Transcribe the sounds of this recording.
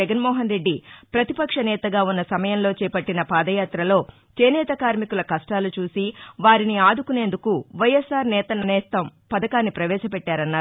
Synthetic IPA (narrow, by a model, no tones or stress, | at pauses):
ɛɡɐnmɔːɦɐnɾe̞ɖːipɾɐt̪ipɐkʂɐnɛːt̪ɐɡaːunːɐsɐmɐjɐmlo̞ːt͡ʃɛːpɐʈːinɐpaːd̪ɐjaːt̪ɾɐlo̞ː | t͡ʃeːnɛːt̪ɐkaːɾmikulɐkɐʂʈaːlut͡ʃuːsiʋaːɾiniaːd̪ukune̞ːnd̪ukuʋɐjesːaːɾnɛːt̪ɐnɐnɛːst̪ɐmpɐd̪ɐkaːnːipɾɐʋɛːʂɐpɛʈːaːɾɐnːaː